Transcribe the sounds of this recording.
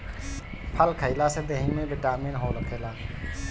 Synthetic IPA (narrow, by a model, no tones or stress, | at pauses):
pʰəlkʰəilaːsed̪eːɦĩmẽːbɪʈaːmẽːnɦoːləkʰeːlaː